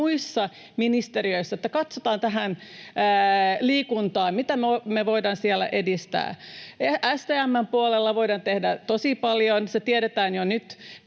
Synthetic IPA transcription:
uisːɑ | minist̪eɾiøisːæet̪ːækɑt̪sot̪ɑːnt̪æɦænː | liːkunt̪ɑːmmit̪æmomeʋoidɑnsiɛlːæ̰ʔedist̪æ̰ː | æst̪eːæmːæmpuolelːɑʋoidɑnt̪ehdæt̪osipɑljonset̪iɛɾet̪æːnjonyt̪

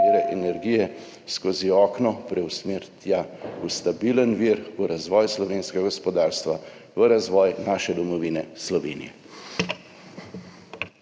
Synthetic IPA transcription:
ɾɛʔɛnɛɾɡiːjɛ | skoːziɔːknɔpɾɛwsmeɾt̪jaust̪abiːlənʋiːɾuɾazʋɔːjslɔʋeːnskɛɡaɡɔspɔd̪aːɾst̪ʋa | ʋəɾazʋɔːjnaːʃɛd̪ɔmɔʋiːnɛslɔʋeːnḭjɛ

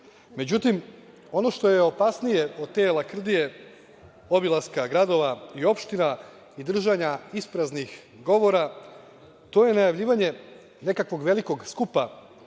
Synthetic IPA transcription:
me̞d͡ʑut̪im | o̞no̞ʃt̪o̞jeo̞pasnije̞o̞d̪̚t̪eːlakr̩d̪ije̞ | o̞bilˠaskaɡɾad̪o̞ʋaio̞pʃt̪ina | id̪r̩ʒaɲaispɾaznix | ɡo̞ʋo̞ɾa | t̪o̞ːje̞najaʋʎiːʋaɲe̞ | ne̞kakʋo̞ɡʋe̞liko̞ɡskupa

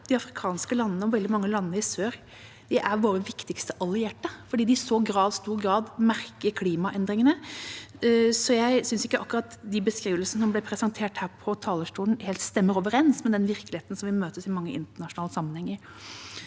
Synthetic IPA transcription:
d̪̥ɪɑfɾɪkʰɑːnskəlɑnːənəɔʋɛld̪ɪmɑŋːəlɑnːəɪsøːɾ | d̪̥ɪʔæɾʋoːɾəʋɪkt̪ɪkst̪əʔɑlɪeːʈəfɔɖiːd̪ɪsoːɡɾɑːʋst̪uːɾɡɾɑːd̪mæɾkəɾkʰliːmɑʔɛnd̪ɾɪŋənə | sɔjæɪsʏnsɪkːəʔɑkːʉɾɑt̪d̪ɪbəskɾiːʋəlsənəsɔmblɛpʰɾɛsɑnt̪ʰeːʈhæːɾpʰɔt̪ʰɑːləʂʈuːlən̩heːlt̪st̪ɛmːəɾoːʋəɾɛnsmɛd̪ɛnʋɪɾklɪheːt̪n̩sɔmʋɪmøːt̪əsɪmɑŋːəʔɪ̰nt̪əɳɑʂʊnɑːləsɑmːənhɛŋːəɾ

